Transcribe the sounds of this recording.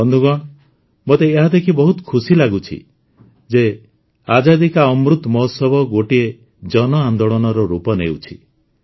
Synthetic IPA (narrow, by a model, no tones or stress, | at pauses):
ɔnd̪ʱuɡɔɽ̃ | mot̪eːɦad̪ekʰibɔɦut̪ɔ̥kʰusilaɡut͡ʃʰḭ | d͡ʒe | ad͡ʒad̪ikaɔmɾut̪mɔsɔbʱɔɡoʈie | d͡ʒɔnɔand̪oɭɔnɔɾɔɾupɔnḛwt͡ʃʰi̥̰